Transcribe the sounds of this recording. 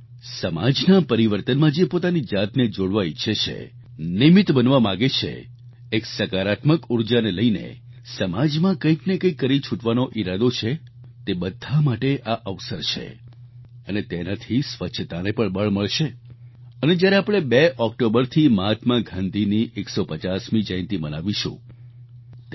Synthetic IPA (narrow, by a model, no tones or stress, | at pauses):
səma̰d͡ʒnapəɾiʋəɾt̪ənmãd͡ʒepot̪anid͡ʒat̪ned͡ʒoɽʋaitːʃʰet͡ʃʰḛ | nimɪt̪bənʋamãɡet͡ʃʰḛː | ksəkaɾat̪məkuɾd͡ʒaneləinḛ | səmad͡ʒmãkəiknekəjkːəɾit͡ʃʰuʈʋanoʔiɾad̪ot͡ʃʰe | t̪ebəd̪ʱːamaʈeʔaʔəʋsəɾt͡ʃʰḛ | ənet̪enat̪ʰisʋət͡ʃʰt̪anepəɳbəɭməɭʃe | əned͡ʒjaɾeapɽ̃ebeʔɔk̚ʈobəɾt̪ʰimat̪ʰmãɡʱãnd̪ʱiniʔeksopət͡ʃasmid͡ʒãj̃nt̪ibənaʋiʃṵ̃